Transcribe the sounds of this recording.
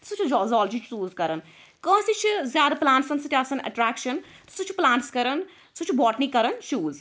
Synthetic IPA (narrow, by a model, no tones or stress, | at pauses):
sut͡ʃʰid͡ʒɔːzɔːld͡ʒit͡ʃʰːuːzkɐɾən | kɐ̃ːsit͡ʃʰzjaːd̪aplãːɳʈsɐnsɐt̪ʲaːsɐnɐ̰ʈɾaːkʃən | t̪sut͡ʃʰiplãːɳʈskɐɾən | sut͡ʃʰibɔːʈnikɐɾənt͡ʃuːz